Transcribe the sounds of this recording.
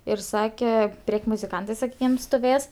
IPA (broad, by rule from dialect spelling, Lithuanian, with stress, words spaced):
ɪr ˈsɑːkʲɛ ˈpʲrʲeːkʲ mʊzʲɪˈkɐntɜ sɐˈkʲiːkʲɪm stʊˈʋʲeːs